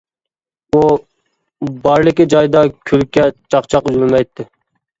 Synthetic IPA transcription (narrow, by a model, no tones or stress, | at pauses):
u | bɑɾlɪkʲid͡ʒɑjd̪ɑkʲʰylkʲːɛt͡ʃʰɑqt͡ʃʰɑqyzmɪmɛjt̪ʰːɪ